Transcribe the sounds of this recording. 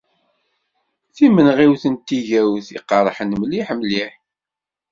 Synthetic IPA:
θimənʁiwθənt̪ːiʝæwθḭqːɑɾˤħənmliħmliħ

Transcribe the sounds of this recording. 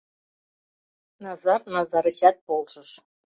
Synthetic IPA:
nɑzɑrnɑzɑɾə̆ɕɑt̪̚polʒɤ̆ʃ

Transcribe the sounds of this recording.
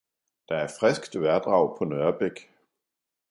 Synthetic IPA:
d̥ɑ̈æɐfʁɛsɡ̥d̥ʋæɐd̥ʁɑ̈ʊ̰pʰɒ̽nœɐb̥eɡ̥

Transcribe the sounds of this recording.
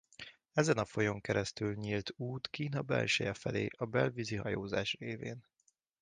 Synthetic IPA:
ɛzɛnɒfo̞jo̞ŋkɛɾɛst̪ylɲiːlt̪uːt̪kiːnɒbɛlʃøjɛfɛleːʔɒbɛlviziɦɒjoːza̰ːʃreːveːn

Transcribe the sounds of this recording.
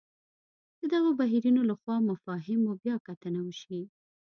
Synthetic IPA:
d̪̥əd̪aɣobaɦiɾinolaxwɑmafɑɦɪmobjɑkat̪ənawəʃi

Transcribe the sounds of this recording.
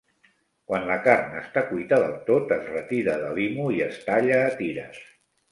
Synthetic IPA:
kwanləkarnə̰st̪akujt̪aðəlˠt̪ot̪əzrət̪iɾəðəβimuiəst̪aʎəːt̪iɾə̰s

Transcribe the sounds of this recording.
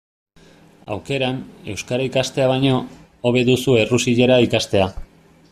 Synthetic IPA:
a̰wke̞ɾane̞̰wskaɾaikast̪e̞aβ̞ajɲo̞ | oβe̞ðusue̞rusiʎe̞ɾaikast̪e̞a

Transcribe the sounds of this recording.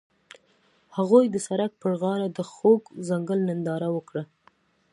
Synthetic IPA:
haɣojd̪əsaɾak̚pəɽɣɑɾad̪əxoɡzaŋɡəlnɪnd̪ɑɾawəkɽa

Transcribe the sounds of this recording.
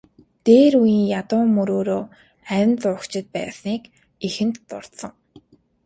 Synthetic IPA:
t̪eːɾujiːŋjat̪ʊːmɵɾoːɾoː | æɪ̆nt͡sʊːkt͡ɕɪ̆t̪̚pæ̰ːsniːk | ixɘ̆nt̪ːʊr̥t̪sə̆ŋ

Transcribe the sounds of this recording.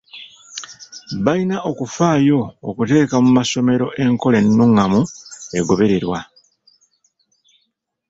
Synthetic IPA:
βainaʔo̞kufaːjo̞̰ːkute̞ːkamumaso̞me̞ɾo̞ʔe̞ŋko̞le̞nːuŋamue̞ɡo̞βe̞ɾe̞ɾwa

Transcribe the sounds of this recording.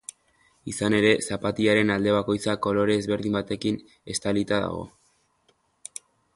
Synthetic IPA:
isane̞ɾe̞sapat̪iaɾe̞nald̪e̞β̞ako̞jt͡sako̞lo̞ɾe̞ːzβe̞ɾðimbat̪e̞kin | e̞st̪alit̪aða̰ɣ̞o̞̰

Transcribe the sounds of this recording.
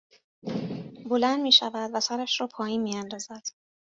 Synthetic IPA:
bo̞lænd̪miːʃævæd̪væsæɾæʃɾɒːpʰɒːjiːnmiːjænd̪ɒːzæd̪̥

